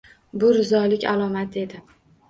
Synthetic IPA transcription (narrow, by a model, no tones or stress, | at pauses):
bʊɾɪzɒlɪkʲa̰lˠɒmat̪ʰe̞d̪ɪ